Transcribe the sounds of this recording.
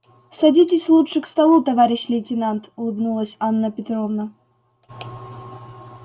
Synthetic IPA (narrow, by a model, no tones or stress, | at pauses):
sɐdʲitʲɪsʲlˠutʂɨkst̪ɐlˠut̪ɐvaɾʲɪɕlʲɪtʲɪnant̪ʊlˠɨbnulˠəsʲanːəpʲɪt̪ɾovnə